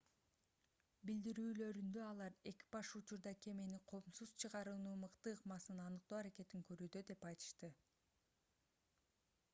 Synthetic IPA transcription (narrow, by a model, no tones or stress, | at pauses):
bild̪iɾyːlø̞ɾynd̪ø̞ɑlˠɑɾe̞kʲi̥b̥ɑʃut͡ʃuɾd̪ɑkʰe̞meniqʰo̞ːmsuz̥t͡ʃʰɯʁɑɾɯnuːmɯqt̪ɯːqmɑsɯnɑnɯq̚t̪oːɑɾake̞t̪iŋkø̞ɾyːd̪ø̞d̪e̞pɑjt̪ɯ̥ʃt̪ɯ